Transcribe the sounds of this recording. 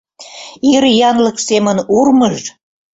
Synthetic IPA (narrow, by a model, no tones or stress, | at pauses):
iɾjɑnləksemənurməʒ